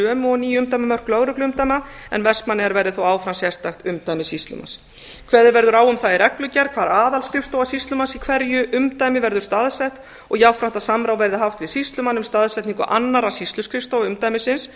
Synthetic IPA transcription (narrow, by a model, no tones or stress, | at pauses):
œːmʏɔniːjʏmt̪ajmamœw̥r̥klœːwɾʏklʏʏmt̪ajmaɛ̰nvɛrspmanːɪɣaɾvɛɾðɪθowaːwfɾamsjɛst̪axt̪ʏmt̪ajmɪsist̪lʏ̰ma̰s | kʰvɛːðɪɾvɛɾðʏɾaːwʏmθaðɪɾɛklʏcɛɾðkʰvaːɾaːðalskɾɪfst̪oːwasist̪lʏmansikʰvɛɾjʏʔʏmt̪aːjmɪvɛɾðʏɾ̥st̪aːðsɛht̪ | ɔɣjawfɾam̥t̪asamɾawvɛɾðɪɦaft̪vɪsist̪lʏmanːʏmst̪aːðsɛt̪niŋkʏʔanːaɾḁsist̪lʏskɾɪfst̪owʏmt̪ajmɪsɪns